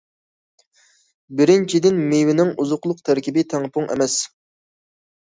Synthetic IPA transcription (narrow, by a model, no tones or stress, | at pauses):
bɪɾɪnt͡ʃʰid̪ɪnmewɪnɪŋʔuzʊqlˠʊq̚t̪ʰæɾkʲibɪt̪ʰæŋpʰʊŋɛ̰mɛs